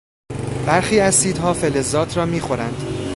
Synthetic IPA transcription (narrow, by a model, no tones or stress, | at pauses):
b̥æɾxiːæzsiːd̪hɒːfelezɒːt̪ʰɾɒːmiːxo̞ɾænd̪̥